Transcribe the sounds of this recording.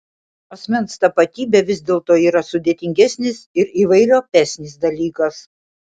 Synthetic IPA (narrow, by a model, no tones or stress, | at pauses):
ɐsʲmʲɛnst̪ɐpɐt̪ʲiːbʲeʋʲɪzʲd̪ʲeːlˠt̪oːiːɾɐsʊd̪ʲeːt̪ʲɪŋʲɡʲɛsʲnʲɪsɪɾiːʋɐɪɾʲoːpʲæːsʲnʲɪsd̪ɐlʲiːkɐs